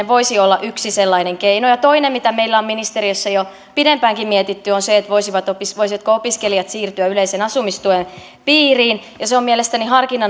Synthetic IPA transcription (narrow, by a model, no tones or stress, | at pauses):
eʋoisiolːɑʔyksiselːɑineŋkeinojɑt̪oinemmit̪æmeilːæomminist̪eɾiøsːɑjo | pidempæːŋkimmiet̪it̪ːyonseet̪ʋoisiʋɑt̪opisʋoisiʋɑt̪koopiskelijɑt̪siːrt̪yæyleisenɑsumist̪uen | piːriːnjɑseommielest̪ænihɑrkinɑ